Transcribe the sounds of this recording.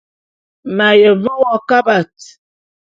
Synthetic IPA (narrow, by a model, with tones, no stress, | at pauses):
ma˨jə˨və˦wɔ˦ka˦ba˨t